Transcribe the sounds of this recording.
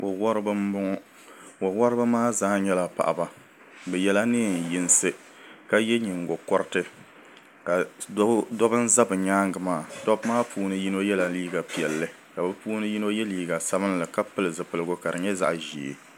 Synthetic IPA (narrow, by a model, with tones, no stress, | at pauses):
o˨wɔ˦ɾɨ˦bɨ˦m̩˦bʊ˦ŋɔ˦ | o˨wɔ˦ɾɨ˦ba˦maː˦zaː˦ɲɛ˦la˦pa̰˨ʔa̰˨ba˦ | bɛ˨jɛ˦la˦nɨ˦˨n̩˨ji˦n˦sɨ˦ | ka˦jɛ˦ɲi˨ŋ˨ɡʊ˨kɔ˦ɾɨ˦tɨ˦ | ka˨˦ | dɔ˦bɨ˦n̩˦za˦bɨ˨ɲaː˦ŋɡɨ˨maː˦˨dɔ˦bmaː˦pʰuː˦nɨ˦ji˦no˦jɛ˦la˨liː˦ɡa˨pi˨ɛ˨lːɨ˨ | ka˨bɨ˦puː˦nɨ˦ji˦no˦jɛ˦liː˦ɡa˨sa˦bɨ˦n˦lɨ˨ka˦pɨ˦lɨ˨zɨ˨pɨ˨lɨ˦ɡʊ˦ka˨dɨ˨ɲɛ˦za̰˦ʔʒiː˨